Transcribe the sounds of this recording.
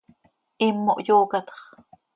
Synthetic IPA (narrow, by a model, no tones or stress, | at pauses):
ʔimːo̰ʔjoːkɑt̪χ